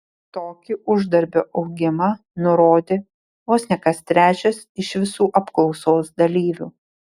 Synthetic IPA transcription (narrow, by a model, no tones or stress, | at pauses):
t̪oːkʲɪʔʊʒd̪ɐɾʲbʲoːʔɐʊɡʲɪmɑ | nʊɾoːd̪ʲeː | ʋoːsʲnʲɛkɐst̪ʲɾʲæːt͡ʃʲɛsɪʃʋʲɪsuːʔɐpklˠɒʊsoːsd̪ɐlʲiːʋʲṵː